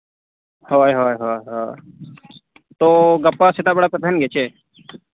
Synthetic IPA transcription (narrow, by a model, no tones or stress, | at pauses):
hoːjɦoːjɦoːjɦoː | t̪oːɡəpːasɪt̪aːbəɽaːpət̪ənɡeːt͡ʃeː